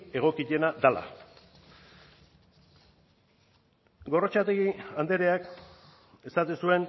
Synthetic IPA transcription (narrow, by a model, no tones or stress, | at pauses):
e̞ɣ̞o̞kiʎe̞nad̪ala̰ | ɡo̞rot͡ʃat̪eɣiand̪e̞ɾeak | e̞sat̪esue̞n